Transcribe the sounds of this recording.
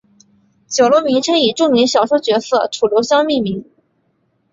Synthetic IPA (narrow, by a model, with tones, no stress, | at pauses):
t͡ɕjo˨˩lo˥ʊmi˧˥ŋʈ͡ʂʰə˥ŋi˨˩ʈ͡ʂʊ˥ŋmi˧˥ŋɕjɑ˨˩ʊʂwo˥ʊt͡ɕɥɛ˧˥sɤ̰˥˩ʈ͡ʂʰu˨˩ljo˧˥ʊɕjɑ˥ŋmi˥˩mi˧˥ŋ